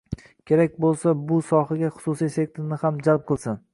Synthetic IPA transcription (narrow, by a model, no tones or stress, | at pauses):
kʲʰe̞ɾak̚ʲbolˠsabʊsɒhaɡʲaχʊ̥susijsek̚ʲt̪ɾnɪhamd͡ʒalp̚qʰɨlˠsɪn